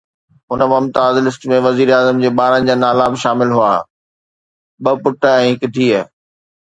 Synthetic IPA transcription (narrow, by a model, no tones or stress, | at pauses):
ɦʊnəmɐmt̪aːzlɪsʈmẽʋɐziːɾaːzəmd͡ʑeːɓaːɾə̃nɪ̆d͡ʑaːnaːlaːbʃaːmɪlɦua̰ː | ɓɐpʊʈəɛ̃ːɦɪkɪd̪ʱiːə